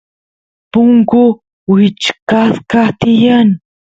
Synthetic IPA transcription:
pʊŋkʊ | wit͡ʃkaskat̪ɪjan

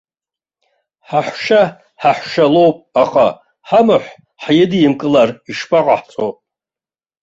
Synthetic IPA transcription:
ħaħʷʃa | ħaħʷʃalo̞wpʼaχa̰ | ħamɨħʷ | ħjɪdijɪmkʼɨlariʂpʼaqʼaħt͡sʼowpʼ

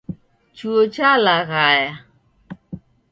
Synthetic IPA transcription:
t͡ʃuot͡ʃalaɣaja

